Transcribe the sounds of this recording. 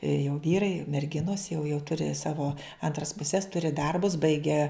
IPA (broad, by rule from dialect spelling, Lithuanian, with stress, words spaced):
ɪ jɛʊ ˈʋʲiːrɐɪ ɪr mʲɛrʲˈɡʲɪnoːs jɛʊ jɛʊ ˈtʊrʲɪ ˈsɑːʋoː ˈɐntrɐs pʊˈsʲɛs ˈtʊrʲɪ ˈdɐrbʊs ˈbɐɪɡʲæː